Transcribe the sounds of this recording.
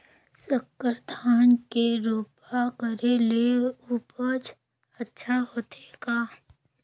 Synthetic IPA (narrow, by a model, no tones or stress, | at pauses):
səkːəɾt̪ʰaːnkeɾoːpakəɾeleuːpət͡ʃ | ətːʃʰaɦoːt̪ʰeːɡaː